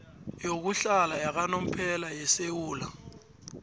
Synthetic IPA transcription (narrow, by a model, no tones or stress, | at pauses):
jok̬uɬalajak̬anom̩pʰɛlajɛsewuːla